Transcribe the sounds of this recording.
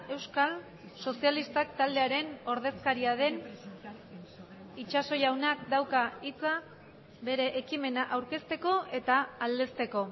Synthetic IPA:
e̞wskal | so̞sialist̪akt̪ald̪eaɾe̞no̞ɾð̞e̞skaɾiaðe̞n | it͡ʃaso̞jawnakd̪awkait͡sa | be̞ɾe̞ʔːkime̞naʔawɾke̞st̪e̞ko̞e̞t̪aːld̪e̞st̪e̞ko̞

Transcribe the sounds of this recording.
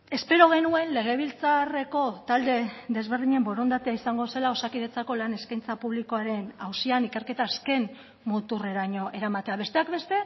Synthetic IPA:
e̞spe̞ɾo̞ɣ̞e̞nue̞nle̞ɣ̞e̞β̞ilt͡sare̞ko̞t̪ald̪e̞ðe̞zβe̞ɾðiɲembo̞ɾo̞nd̪at̪eaisaŋɡo̞se̞lao̞sakiðe̞t͡sako̞lane̞skajnt͡sapuβliko̞aɾe̞nawsianike̞ɾke̞t̪aːske̞n | mut̪ure̞ɾaɲo̞ʔe̞ɾamat̪e̞aβe̞st̪eakbe̞st̪e̞

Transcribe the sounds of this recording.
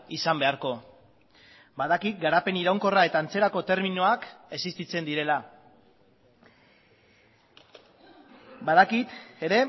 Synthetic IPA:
isambe̞aɾko̞ | baðakit̪̚ɡaɾape̞niɾawŋko̞rae̞t̪aːnt͡se̞ɾako̞t̪e̞ɾminoake̞sist̪it͡se̞nd̪iɾe̞la | bað̞akit̪e̞ɾe̞

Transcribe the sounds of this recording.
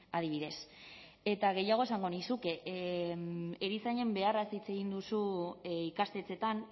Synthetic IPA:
að̞iβ̞iðe̞s | e̞t̪aɣ̞e̞jaɣ̞o̞esaŋɡo̞nisuke | eɾisaɲe̞mbe̞araeseit͡se̞ɣind̪usuikast̪e̞t͡se̞t̪an

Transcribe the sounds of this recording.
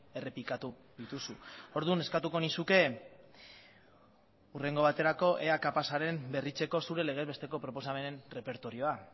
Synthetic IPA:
e̞re̞plikat̪u | ðit̪usuo̞ɾðune̞skat̪uko̞nisuke̞ | ure̞ŋɡo̞βat̪e̞ɾako̞ʔe̞akapasaɾe̞mbe̞rit͡se̞ko̞suɾe̞le̞ɣ̞ezβe̞st̪e̞ko̞pɾo̞po̞same̞ne̞nre̞pe̞ɾt̪o̞ɾio̞a

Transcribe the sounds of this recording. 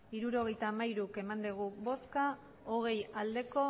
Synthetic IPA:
iɾuɾo̞ɣe̞jt̪aːmaiɾuke̞mand̪eɣ̞uβo̞ska | oɣ̞e̞jald̪e̞ko̞

